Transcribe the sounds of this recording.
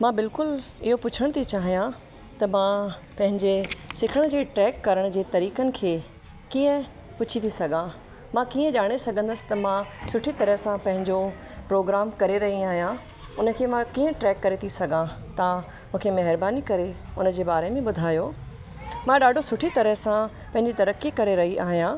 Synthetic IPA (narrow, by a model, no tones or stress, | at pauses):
mãbɪlkʊl | ɪɦopʊt͡ɕʰəɽ̃t̪ʰit͡ɕaːɦijã | t̪ɐmãpɐ̃ɦɪ̃ɲd͡ʑesɪkʰəɽ̃d͡ʑeːʈɾɛːkːɐɾəɽ̃̆d͡ʑeːt̪ɐɾiːkənɪ̆kʰeː | kiːə̃ | pʊt͡ɕʰit̪ʰisɐɡã | mãkiːə̃ʄaːɽ̃esɐɡʱə̃n̆d̪əsɪ̥t̪ɐmãsʊʈʰit̪ɐɾəɦsãpɐ̃ɦɪ̃ɲd͡ʑo | pɾoːɡɾaːmkɐɾeɾɐɦiaːɦijã | ʊnə̆kʰeːmãkiːə̃ʈɾɛːkːɐɾet̪ʰisɐɡʱãt̪ã | mũːkʰemɐɦɪɾbaːnikɐɾeʊnə̆d͡ʑeːbaːɾemẽɓʊd̪ʱaːjo | mãɗaːɖʱosʊʈʰit̪ɐɾəɦsã | pɐ̃ɦɪ̃ɲd͡ʑit̪ɐɾəkikɐɾeɾɐɦiʔaːɦijã